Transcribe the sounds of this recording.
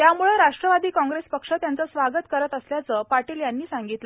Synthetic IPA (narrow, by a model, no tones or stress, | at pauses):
t̪jamuɭəɾaʂʈɾəʋad̪iːkɔ̃ŋɡɾespəkʂat̪jant͡səsʋaɡət̪kəɾət̪əsljat͡səːpaʈiːljanːiːsaŋɡit̪lə